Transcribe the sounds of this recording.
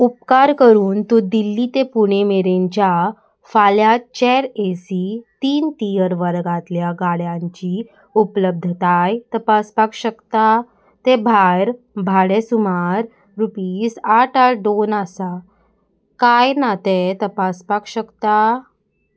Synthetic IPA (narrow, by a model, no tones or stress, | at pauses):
upkaɾkəɾuːnt̪od̪ilːit̪epuɽ̃emeɾẽɲt͡ɕja | faljat͡ɕɛɾesit̪iːnt̪ijəɾʋəɾɡat̪ljaɡaɽjãɲt͡ɕi | upləb̚d̪ʱt̪ajt̪əpaspakɕəkt̪a | t̪ebʱaɾ | bʱaɽesumaɾː | upiːsaʈaɾɖonasa | kajnat̪et̪əpaspakɕəkt̪a